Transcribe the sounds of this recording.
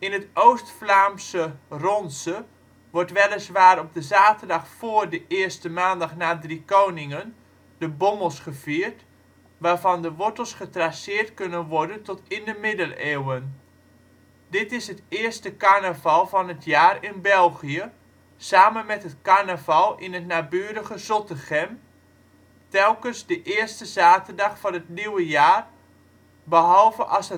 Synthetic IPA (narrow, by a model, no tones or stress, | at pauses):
ɪnətʔowstflaːmsərɔnsə | ʋɔrtʋɛlˠəsʋaːɾɔb̚dəzaːtərdɑχfoːərdəʔɪərstəmaːndɑχnaːdrikownɪŋən | d̥əboməlˠsχəv̥iːrt | ʋaːɹvɑndəʋɔtəlˠsχətrasɪːrtkɵnənʋɔɹdəntɔtɪndəmɪdəleːwən | dɪtɪsɦətɪərstəkarnəvɑlˠvɔnɦətʰjaːrɪnbɛlˠχijə | saːmənmɛtɦətkaɹnəvɑlˠɪnɦətnaːbyːəɾəɣəzɔtəχɛm | tɛlˠkənzdəʔɪːrstəzaːtərdɑχfɔnətniwəjaːr | bəɦɑlˠvəʔɑsə